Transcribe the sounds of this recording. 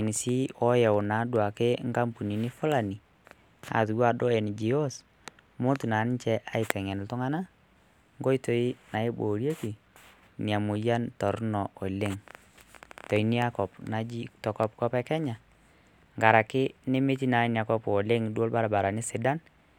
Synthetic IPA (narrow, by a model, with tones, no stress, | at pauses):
ni˨si˦ɔ˦jɛ˨ʊ˨na˨˦dwa˨kɪ˦ŋɡa˦mpu˨ni˨ni˦fʊ˦la˨ni˨ | a̰˨tu˨wa˦dɔ˦ɛ˨n˨d͡ʒi˨ɔ˦s | mʊ˦tu˨na˨˦n˦t͡ʃɛ˦ʔa˦ɪ˨tɛ˨ŋɛ˨n˨tʊ˦ŋa˦na˦ | ŋɡɔ˦i˦to˨i˦na˨ɪ˦bo˨ɾje˦ki˨ | nja˨mʊ˨ja˦ntɔ˨ɾnɔ˨ɔ˨le˦ŋ | tɔ˨i˦ni˦a˦kɔ˨pna˨d͡ʒi˦tɔ˨kɔ˦p̚kɔ˦pɛ˦kɛ˦ɲa˨ | ŋɡa˨ɾa˨kɪ˦ne˦me˦ti˦na˨˦nja˨kɔ˦pɔ˨le˦ŋdo˦lba˦ɾa˨ba˨ɾa˨nɪ˦sɪ˨da˦n